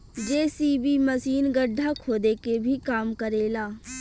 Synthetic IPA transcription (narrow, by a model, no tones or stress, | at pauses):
d͡ʒeːsiːbiməsiːnɡəɖʱːakʰoːd̪ekebʱikaːmkəɾeːlaː